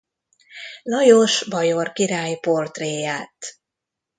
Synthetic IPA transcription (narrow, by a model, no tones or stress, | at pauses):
lɒjoʃbɒjorkiɾaːjport̪reːjaːt̪